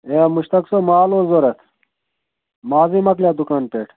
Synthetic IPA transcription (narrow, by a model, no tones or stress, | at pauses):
emuɕt̪ɐksomaːlozoɾɐt̪ʰ | maːzimɐkljaːd̪ukanpeːʈʰ